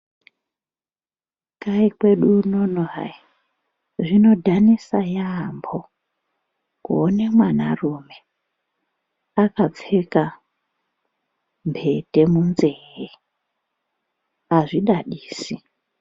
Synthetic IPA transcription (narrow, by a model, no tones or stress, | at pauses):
kaikwe̞ɗunonoɦa̰i | ʐino̞dʱanisajambo | kuonemwana̰rume | akap͡feka | mbʰʱe̞te̞munzeɦe | aʐiɗaɗiːsi